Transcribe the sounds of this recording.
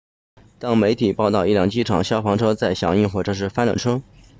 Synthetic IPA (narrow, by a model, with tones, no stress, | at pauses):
t̪ɑ˥ŋme˧˥ɪt̪ʰi˨˩pɑ˥˧ʊt̪ɑ˥˧ʊi˥˧ljɑ˥˩ŋt͡ɕi˥˩ʈ͡ʂʰɑ̰˨˩ŋɕjɑ˥ʊfɑ˧˥ŋʈ͡ʂʰɤ˥t͡sa˥˩ɪɕjɑ̰˨˥ŋi˥˧nxwɔ˥˩ʈ͡ʂɤ˥˧ʂ̬ɻ̩˥˩fa˥nlə̰˨˩ʈ͡ʂʰɤ˥ŋ